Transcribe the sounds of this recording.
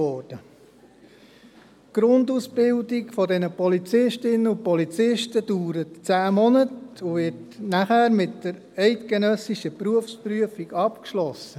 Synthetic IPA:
ɔːɾd̥ə | ɡ̥ɾʊndusb̥ɪldikfɔdɛnəpɔlit͡sɪʃtɪnəʊpɔlit͡sɪʃtəd̥uːɾətt͡sæːmɔnətʊvɪtnæχæːɾmɪtd̥əɾ | ɛɪtɡ̥ɛnœsiʃəpɾuəfspɾyəfiɡɑpkʃlɔsːə

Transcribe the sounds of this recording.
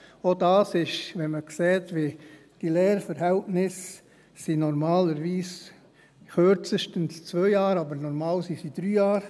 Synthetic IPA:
odɑːsɪʃʋɛnməkseːtʋi | d̥ilɛːɾfəɾhɛltnɪsː | inɔɾmɑːləɾʋiːs | xøɾt͡səʃtənst͡svœɪjɑːɾɑbəɾnɔɾmɑːlsisid̥ɾyːjaːɾ

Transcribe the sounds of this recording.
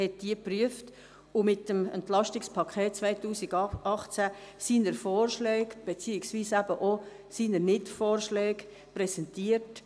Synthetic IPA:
hɛt̚d̥iəpryəft | ʊmɪtəmɛ̰ntlɑʃtɪkspʰɑkʰɛːt̚t͡svaɪtuːsiɡʔɑχt͡sæsiːnəɾfɔːrʃlɛːɡb̥et͡siːɪksviːsæbəʔo | siːnəɾnɪtfoːrʃlɛːɡ | pɾɛsɛntiːət

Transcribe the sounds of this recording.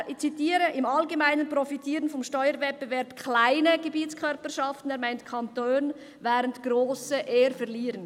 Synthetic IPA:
ɪt͡sitiːɾəʔɪmɑlɡemaɪnənprɔfitʰiːɾənfɔmʃtɔʏəɾvɛt̚b̥əvɛɾpkʰlaɪnəɡəbiːtt͡skʰœɾpəʃɑftn̩ɛːɾmaɪntkʰɑntoːn | vɛːʁəntɡ̥ɾoːsəʔeːəɾfɛʁliːɾən

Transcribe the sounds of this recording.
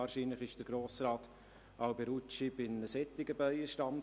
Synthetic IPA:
ɑːɾʃiːnləχɪʃd̥əɾɡ̥ɾoːsrɑːt̪ | ɑʊbɛɾut͡ʃibɪnəsɛt̪ːɪɡəbaɪəʃtɑn

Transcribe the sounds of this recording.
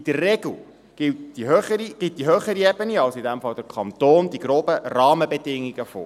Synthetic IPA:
d̥ərːɛɡl̩ | ɡ̥ɪtd̥iɦøχəɾiɡ̥ɪt̚d̥iɦøːχəɾiɛbəniɑlsidɛmfɑld̥əɾkʰɑnt̪oːnd̪iɡɾoːbərɑːməbɛdɪŋːiɡəfo̰ː

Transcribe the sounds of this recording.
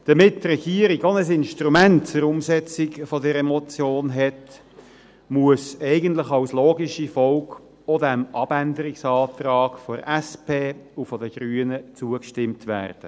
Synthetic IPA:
d̥ɑmɪttrɛɡ̥iəɾiɡonəsɪnʃtɾumænt̚t͡sʊɾʊmsɛt͡sikfɔdɛɾɛmɔt͡sjoːnɦɛt | muəsɛɪɡənt̪ləχɑʊsloːɡiʃifɔlk | ɔdɛmʔɑb̥ændəɾɪksɑːt̪rɑːɡfɔɾæspʰeːufɔdəɡ̥ɾyːənət͡suəkʃtɪmtʋæ̰ːrd̥ə

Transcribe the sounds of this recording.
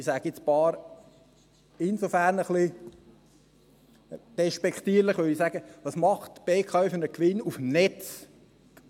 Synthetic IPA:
isæɡ̥ɪspɑːɾ | ɪnsofæɾnəχli | d̥ɛʃpɛkχt̪iːɾləχʋʏlisæɡəʋɑsmɑχtb̥eːkʰɑyfənəkʋɪnufm̩nɛt͡s

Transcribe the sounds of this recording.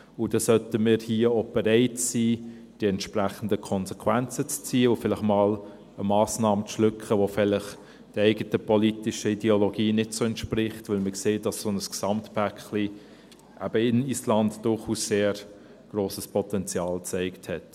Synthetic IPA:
ʊd̥ɑsœtəmɪːɾhiːəoːb̥ɛɾɛɪtsiː | d̥iɛntʃpræχən̩dəkʰɔnsɛkʰwænt͡sət͡st͡siːəʊfɪlɪχmɑːl | əmɑːsnɑːmət͡sʃlʏkχəʋofɪlɪχ | d̥iɛɪɡətəpolitɪʃəidɛoloɡiːnɪtsoɛntʃprɪχtʋɪlməkseːtd̥ɑssoːnəsksɑmtpækli | ʔæb̥əɪnislɑndd̥ʊχuːsseːɾ | ɡ̥roːsəspʰɔtɛnt͡sjɑːlt͡sɛɪkthɛt

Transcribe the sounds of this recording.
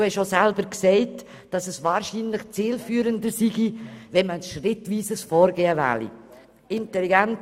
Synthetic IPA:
hɛʃosɛlbəɾksɛɪt | d̥ɑsɛsvɑːɾʃiːnlɪχt͡siːlfyːɾəndəsiɡivɛnməʃrɪtviːsəsfɔːɾɡeːəvɛ̰ːlḭ | ɪntɛliɡɛnt

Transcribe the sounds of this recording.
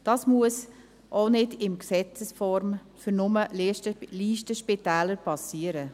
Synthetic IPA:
d̥ɑːsmuəs | ʔonɪdɪmksɛt͡səsfɔɾm | fʏɾnʊmə | liːʃtəʃpɪtæːləɾpɑsiəɾə

